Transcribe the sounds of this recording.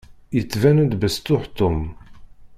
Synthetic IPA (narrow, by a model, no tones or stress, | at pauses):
jət͡sːvænæd̪bəst̪ʊħt̪ʊm